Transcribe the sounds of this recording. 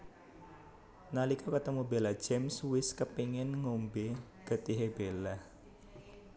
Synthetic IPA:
nalikakət̪əmubelḁd͡ʒɛmswɪskəpiŋɪnŋombe | ɡ̥ət̪iɦebelah

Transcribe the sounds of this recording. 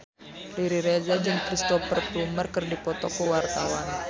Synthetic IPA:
liɾiɾezad͡ʒəŋkɾist̪ɔfərplumərkərdipɔt̪ɔkəwart̪awan

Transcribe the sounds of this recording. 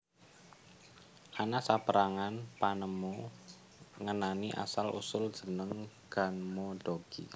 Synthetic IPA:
ʔanasapəɾaŋanpanəmu | ŋənaniʔa̰salʔṵsʊld̥ʒ̥ə̤nəŋ | ɡ̥a̤nmoɖ̥oɡ̥ḭ

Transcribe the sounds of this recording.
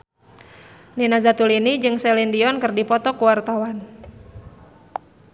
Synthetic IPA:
ninazat̪ulinid͡ʒɨŋsɛlindiɔnkɨrdipɔt̪ɔkuwart̪awan

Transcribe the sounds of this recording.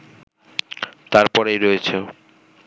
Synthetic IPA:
t̪aɾpɔɾejɾoet͡ɕʰo

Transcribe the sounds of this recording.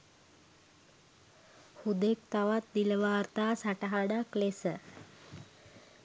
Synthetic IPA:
hud̪ek̚t̪aʋat̪̚d̪iləʋaːɾt̪asaʈaɦaɽaklesə

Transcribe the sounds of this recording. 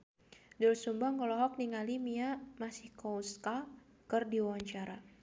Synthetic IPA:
dʊlsumbaŋɔlɔɦɔk̚niŋalimiamasihkɔuska | kɨrdiwawaɲt͡ʃaɾa

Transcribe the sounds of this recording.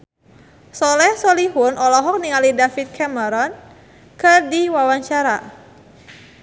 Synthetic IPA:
sɔlɛhsɔliɦʊnʔɔlɔɦɔk̚niŋalidafit̪̚kʰɛməɾɔn | kɨrdiwawaɲt͡ʃaɾa

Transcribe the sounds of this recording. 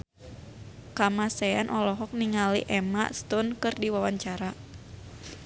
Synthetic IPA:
kamasɛanʔɔlɔɦɔk̚niŋaliʔɛma̰ʔst̪unkɨrdiwawaɲt͡ʃaɾa

